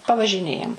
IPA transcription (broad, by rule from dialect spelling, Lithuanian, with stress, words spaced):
pɐʋɐʒʲɪˈnʲeːjɛm